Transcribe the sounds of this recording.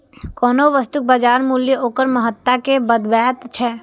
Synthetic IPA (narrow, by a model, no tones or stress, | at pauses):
kɔːnoʋəst̪ʊk̚baːd͡ʒaːɾmuljəʔoːkəɾməɦət̪ːakebəd̪bɛːt̪t͡ʃʰɛː